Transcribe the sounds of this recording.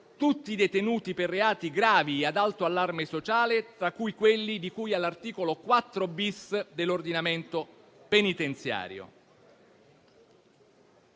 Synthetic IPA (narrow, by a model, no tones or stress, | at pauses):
t̪ut̪ːid̪et̪enuːt̪iperːeaːt̪iɡɾaːviad̪alt̪oalːarmesot͡ʃaːlet̪ɾakːujkwelːid̪ikujalːart̪iːkolokwat̪ːɾobisd̪elːord̪inament̪o | penit̪ent̪sja̰ːɾjo̰